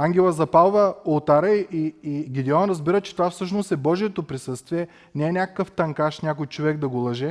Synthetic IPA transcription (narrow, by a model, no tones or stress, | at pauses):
aŋɡʲɛlˠəzɐpalˠvəolˠt̪aɾəiiːɡʲid̪ɛɔnɾɐzbiɾət͡ʃɛ̥t̪ovafsɤʃnost̪ɛbɔʒiɛt̪opɾisɤst̪viɛ | nɛɛnʲakə̥kəft̪ɐŋkaʃnʲakojt͡ʃovɛɡd̪ɐɡolˠɐʒɛ